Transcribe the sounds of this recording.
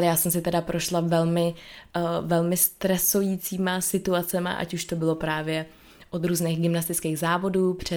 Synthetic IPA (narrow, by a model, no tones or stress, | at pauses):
lɛjaːsɛmsɪt̪ɛdapɾʔo̞ʃlavɛlmɪ | vɛlmɪst̪ɾɛsojiːt͡siːmasɪt̪uat͡sɛma̰ʔa̰cuʃt̪o̞bɪlo̞pɾaːvjɛ | ʔot̪ɾuːznɛːɣɡɪmnast̪ɪt͡skeːɣzaːvo̞duːpr̥ɛ